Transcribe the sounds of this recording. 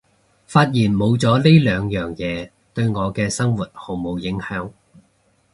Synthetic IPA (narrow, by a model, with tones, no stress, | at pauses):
faː˧t̚jiː˨˩nmo˨˧wt͡sɔː˨˥le˥jlœː˨˧ŋjœː˨ŋjɛː˨˧ | t̪ɵ˧ɥŋɔː˨˧kɛː˧sɐ˥ŋwu˨˩t̚ho˨˩wmo˨˧wjɪ˨˥ŋhœː˨˥ŋ